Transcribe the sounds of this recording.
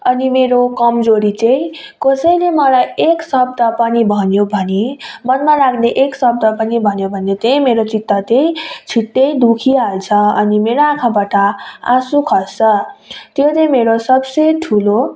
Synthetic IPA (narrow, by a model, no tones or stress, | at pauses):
ʌnimeɾokʌmd͡zoɾit͡sẽj̃ | kʌsʌjlemʌlajeksʌbd̪apʌnibʱʌnjobʱʌnimʌnmaɾakʰneʔeksʌb̚d̪ʌpʌnibʱʌnjobʱʌnjet̪ej̃meɾot͡sit̪ːʌt̪ejt͡sʰiʈːejd̪ukʰiɦalt͡sʰʌʌnimeɾoãkʰãbaʈʌa̰sukʰʌt͡sʌt̪jot͡sʌ̃meɾosʌbsʌjʈʰulo